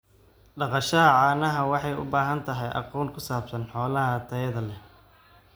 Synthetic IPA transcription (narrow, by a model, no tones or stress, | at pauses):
ɖɑqɑʃɐɐʕɑːnɐɦɐwɑħɑjʊ̰baːɦɐnt̪ʰɐɦɛjʔɑ̰qɔːnkʰʊsaːbsɐnħɔːlɐɦɐt̪ʰɐjɐðɐlɛ